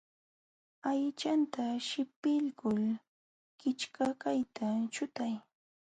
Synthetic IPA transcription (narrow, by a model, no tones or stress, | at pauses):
ajt͡ʃant̪aʃɪpɪʎkʊl | kɪt͡ʃkakajt̪ʰat͡ʃʊt̪aj